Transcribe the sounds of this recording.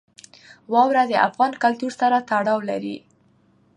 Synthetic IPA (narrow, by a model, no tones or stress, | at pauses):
wɑwɾad̪əʔa̰fɣɑnkalt̪uɾsaɾat̪aɽɑwla̰ɾḭ